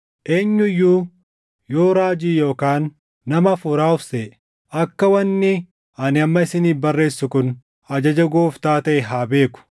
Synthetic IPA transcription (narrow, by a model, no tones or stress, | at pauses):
ʔe̞ːɲːʊɪjːuː | jo̞ːɾaːd͡ʒiːjo̞ːkaːnː | ɐmɐfuːɾaːʊfse | ʔɐkːɐwɐnːɪ | ɐnɪɐmːɐɪsɪniːfbɐrːe̞ːsːʊkʊn | ɐd͡ʒɐd͡ʒɐɡoːft̪aːt̪ɐʔɛɦaːbe̞ːkʊ̥